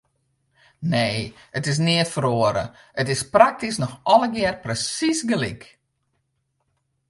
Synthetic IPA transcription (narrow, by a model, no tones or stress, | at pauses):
neːətɪs̬nɪətfəɾoəɾə̰ | ətɪsprak̚tisnɔxɔləɡɪərprəsisɡəlik